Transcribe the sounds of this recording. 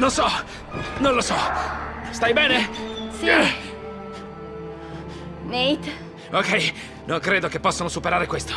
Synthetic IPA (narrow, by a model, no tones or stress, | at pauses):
nonsɔ | nõnlosɔ | st̪ajbɛːnesi | nejt̪ | okɛj | noŋkɾeːd̪okepːɔsːonosupeɾaːɾekwest̪o̥